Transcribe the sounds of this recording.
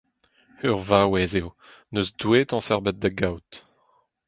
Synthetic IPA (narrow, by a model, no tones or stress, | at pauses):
øʁvawɛzeo | nøzd̪weːt̪ɑ̃sɛʁbɛt̪̚d̪aɡawt̪